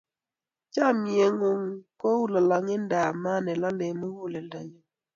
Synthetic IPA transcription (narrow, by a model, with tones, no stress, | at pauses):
t͡ʃa˦mi˨e˨ŋo˦ŋko˦wu˦la˨la˨ŋe˦nda˨ma˦nɛ˨la˦le˨mə˦hu˦˨le˨n˨da˨ɲa˨